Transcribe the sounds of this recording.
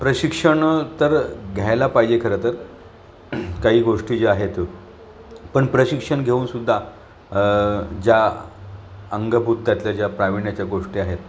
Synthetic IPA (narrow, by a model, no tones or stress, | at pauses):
pɾəɕikʂəɳt̪əɾɡʱjajlapaɦid͡ʑekʰəɾət̪əɾ | kaɦiːɡoʂʈiːd͡ʑeaɦet̪ | pəɳpɾəɕikʂəɳɡʱeuːnsud̪ʱːa | d͡ʑja | əŋɡəbʱut̪ːjat̪ljad͡ʑjapɾaʋiɳjat͡ɕjaɡoʂʈiːaɦet̪